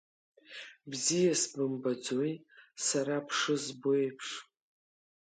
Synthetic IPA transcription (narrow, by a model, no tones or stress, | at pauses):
bzijasbɨmbad͡zojsaɾapʰʂɨzboejpʰʂ